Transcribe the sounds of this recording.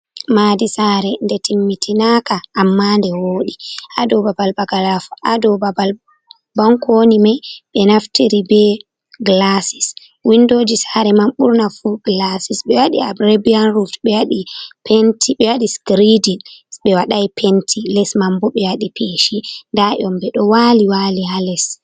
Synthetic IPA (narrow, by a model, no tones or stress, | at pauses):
madisaɾɛndɛtʰimːitʰinakaʔːmːandɛwoːɗiʔadɔbabalbaɡalafʔadɔbabal | baŋkonimajɓɛnaftiɾibɛ | ɡlasis | windoːd͡ʒisaɾɛmamɓuɾnafuɡlasisɓɛwaɗiabɾebianɾutɓɛwaɗipentiɓɛwaɗiskɾidinɓɛwaɗajpʰentʰilɛsmambɔɓɛwaɗipʰeʃindaʔɔmbɛɗɔwaːliwaːlihalɛs